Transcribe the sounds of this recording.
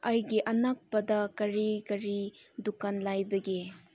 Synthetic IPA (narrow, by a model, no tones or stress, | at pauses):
ʔɐjɡiʔɐnak̚pɐdɐkɐɾikɐɾidukanlajbɐɡi